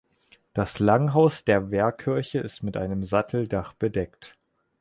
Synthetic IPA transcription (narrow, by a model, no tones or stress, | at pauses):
d̥aslaŋɦaʊsd̥eːɐvɛːɐkʰɪɐçəɪstmɪtʔa̰ɪnəmzatʰl̩daχb̥ədɛkt